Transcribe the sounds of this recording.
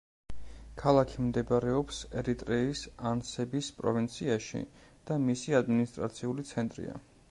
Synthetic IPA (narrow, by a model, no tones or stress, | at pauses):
kʰalˠakʰimd̪ɛbɾɛɔpsɛɾit̪ʼɾɛisansɛbispʼɾɔ̰vint̪sʰiaʃḭd̪̥amisiad̪minist̪ʼɾa̰t̪sʰiulit̪sʰɛnt̪ʼɾḭa̰